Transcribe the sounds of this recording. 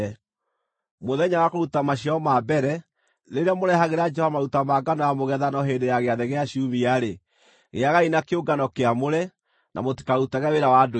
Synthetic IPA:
moðɛɲawakoɾutamaɕiɔmabɛɾɛ | ɾeɾeamoɾɛɦaɣeɾad͡ʒɛhɔmaɾutamaɡanɔjamoɣɛðanɔɦendejaɣeaðɛɣeaɕiumiaɾe | ɣḛaɣainakeoɡanɔkeamoɾɛ | nʔa̰moti̥kautaɣɛweɾawado

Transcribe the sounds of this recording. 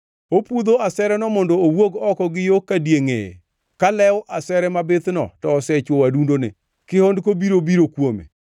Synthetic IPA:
opud̪oasɛɾɛnɔmɔndoːwoɡɔkɔɡɪjokːadjeŋḛḛ | kalɛwʔasɛɾɛmabɪt̪nɔ̰tɔːsɛt͡ʃwowadundonɪ̰ | kɪhondkobiɾobiɾokwomḛ

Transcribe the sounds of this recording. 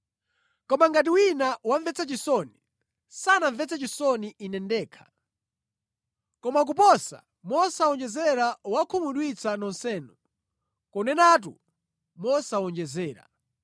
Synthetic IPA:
kɔmaŋɡat̬iwinawaɱvɛt͡sʰat͡ʃisɔni | sanaɱvɛt͡sʰat͡ʃisɔniʔinɛndɛːkʰḁ | kɔmak̬upɔsa̰ | mɔsawɔnd͡ʒɛzɛɾawakʰumuɗwit͡sʰanɔnsɛːnu | kɔnɛnat̬ṵ | mɔsawɔnd͡ʒɛzɛːɾa̰

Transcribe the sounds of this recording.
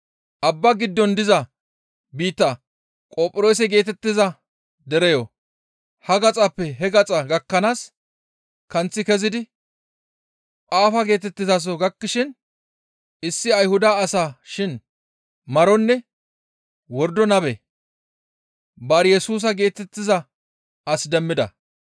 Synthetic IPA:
ʔɐbːɐɡɪd̪ːɔnd̪ɪzɐ | biːt̪ːɐ | kʼoːpʼɪɾoːs̬ɛɡe̞ːt̪ɛt̪ːɪzɐ | d̪ɛɾɛjɔ | hɐɡɐt͡sʼɐpːɛɦɛɡɐt͡sʼɐɡɐkːɐnaːs | kɐnt͡sːɪkɛzɪd̪ɪ | ʔʼaːfɐɡe̞ːt̪ɛt̪ːɪzas̬ɔɡɐkːɪʃɪn | ɪsːɪɐjhʊd̪aːsaːʃɪn | mɐɾɔnːɛ | wɔɾd̪ɔnɐbɛ | bɐɾjɛsuːs̬ɐɡe̞ːt̪ɛt̪ːɪzɐ | ʔɐsd̪ɛmːɪd̪ɐ̰

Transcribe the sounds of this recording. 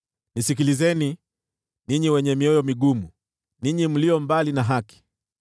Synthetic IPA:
nisikilizɛni | niɲiwɛɲɛmiɔjɔmiɠumu | niɲim̩liɔmbalinaɦaki̥

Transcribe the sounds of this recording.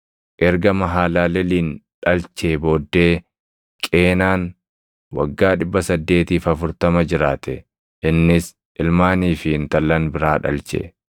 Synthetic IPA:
ʔɛɾɡɐmɐɦaːlaːlɛliːnᶑɐlt͡ʃe̞ːbo̞ːd̪ːe̞ː | kʼe̞ːnaːn | wɐ̰ɡːaːᶑɪbːɐsɐd̪ːe̞ːt̪iːfɐfʊɾt̪ɐmɐd͡ʒɪɾaːt̪ɛ | ʔɪnːɪs | ʔɪlmaːniːfɪɪnt̪ɐlːɐnbɪɾaːᶑɐ̰lt͡ʃḛː

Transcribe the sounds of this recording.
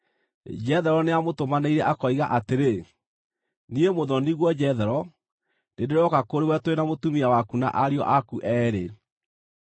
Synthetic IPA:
d͡ʒɛðɛɾɔneamotomaneiɾɛʔakɔiɣaʔateɾe | niemoðɔniɣwɔd͡ʑɛðɛɾɔ | dendeɾɔkakoɾewɛtoenamotumiawakuna̰ʔaɾiɔ̰ʔakuʔɛːɾe

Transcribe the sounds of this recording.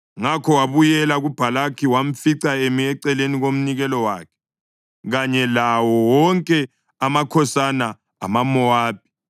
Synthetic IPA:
ŋakʰɔwaβujɛlaɣub̥ʱalakʰiwam̩fiǀaemiɛǀɛleniɣom̩niɣɛlɔwa̰ːkʰɛ̥ | ɣaɲɛlawɔwɔŋkʼɛ | amakʰɔsana̰ː | mamɔwaːp̚ʰi̥

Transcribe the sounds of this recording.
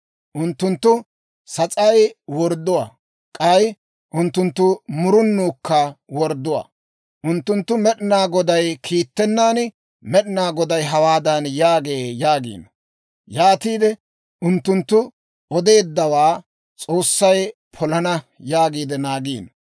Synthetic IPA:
ʔʊnt̪ːʊnt̪ːʊ | sɐt͡sʼɐjwɔɾd̪ːʊwa̰ː | kʼɐj | ʔʊnt̪ːʊnt̪ːʊmʊɾʊnːuːkːɐwɔɾd̪ːʊwa̰ː | ʔʊnt̪ːʊnt̪ːʊmɛɗɪnaːɡɔd̪ɐjkʰiːt̪ːɛnːaːn | mɛɗɪnaːɡɔd̪ɐjɦɐwaːd̪ɐnjaːɡe̞ːjaːɡḭːnɐ | jaːt̪iːd̪ɛ | ʊnt̪ːʊnt̪ːʊ | ʔɔd̪e̞ːd̪ːɐwaː | t͡sʼo̞ːsːɐjpʰɔlɐnɐjaːɡiːd̪ɛnaːɡiːn

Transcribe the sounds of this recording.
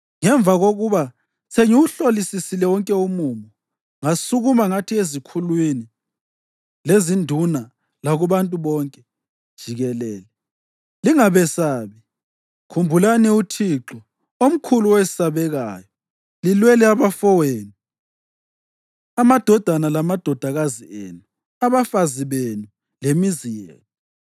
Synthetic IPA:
ŋɛɱvaɣoɣuβa | sʰeŋiuɬolisisilɛwɔŋkʼɛumumɔ | ŋasuɣumaŋatʰiezikʰulwini | lezindʱuna | laɣuβantʼuβɔŋkʼɛ | d̥ʒ̥ʱiɣɛlɛːlɛ | liŋaβɛsaːβi | kʰumbʱulaniutʰiǁɔ | om̩kʰuluwesi̥saβɛɣaːjɔ | lilwɛlɛaβafɔweːni | amad̥ʱɔd̥ʱanalamad̥ʱɔd̥ʱaɣaziḛnu | aβafaziβenu | lemizijɛ̰ːlɔ

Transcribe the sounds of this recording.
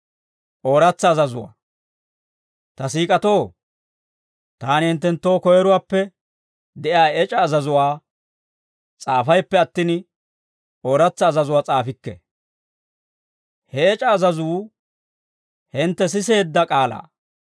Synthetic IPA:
ʔo̞ːɾɐt͡sːɐːzɐzʊwa̰ː | t̪ɐsiːkʼɐt̪oː | t̪aːnɪhɪnt̪ɛnt̪ːo̞ːkɔjɛɾʊwaːpːɛ | d̪ɛʔjaːɛt͡ʃʼɐːzɐzʊwaː | t͡sʼaːfɐjpːɛɐt̪ːɪn | ʔo̞ːɾɐt͡sːɐːzɐzʊwaːt͡sʼaːfɪkːɛ̰ | hɛɛt͡ʃʼɐːzɐzuː | hɪnt̪ːɛs̬ɪse̞ːd̪ːɐkʼaːla̰ː

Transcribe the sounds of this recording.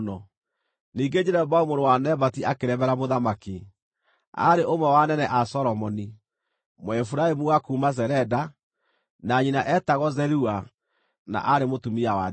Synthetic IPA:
nɔ | niːɡed͡ʑɛɾɛbaumoɾowanɛbatiakeɾɛβɛɾamoðamaki | a̰ɾeʔomɛwanɛnɛʔasɔɾɔmɔni | mwifuɾaemuɣakuːmazɛɾɛda | naɲinaʔɛtaɣɔzɛɾua | na̰ʔaɾemotumiawa

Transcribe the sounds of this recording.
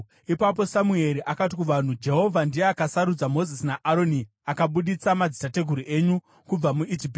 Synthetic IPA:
ipap̬o̞samue̞ɾiʔakat̬ikuʋan̤ud͡ʒe̞ɦo̞vʱandijeakasaɾud͡zamo̞zisinaʔaɾo̞ni | akaɓuɗit͡samad͡zitate̞ɡʱuɾiʔe̞ːɲu | kub͡vamuʔid͡ʒip̬ː

